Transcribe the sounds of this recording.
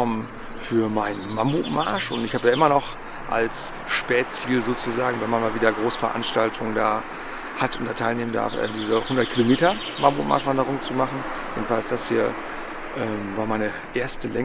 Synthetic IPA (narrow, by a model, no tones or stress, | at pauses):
ɔmən | fyːɐmaɪnəmambuːmaɐʃʊntɪçhaːbəjaːʔɪmɐnɔχ | ʔa̰ls | ʃpɛːt͡siːlzoːt͡suzaːɡŋ̩vɛnmanmaːlviːdɐɡʁoːsə̥fɛɐʔa̰nʃtaltʰʊŋəndaː | hatʊntd̥aːtʰaɪlneːmənda̰ɐfʔɛ̰ːdiːzəhʊndɐt̚kʰilomeːtɐ | mambuma̰ɐʃv̥andəʁʊŋt͡sumaχn̩ | jḛːdn̩falsd̥ashiːɐ | ʔɛːmvaːɐmaɪnə | ʔeːɐstəlɛ